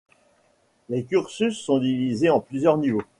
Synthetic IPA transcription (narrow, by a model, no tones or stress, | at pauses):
lekʲyʁsysːɔ̃d̪ivizeɑ̃plyzjœʁnivo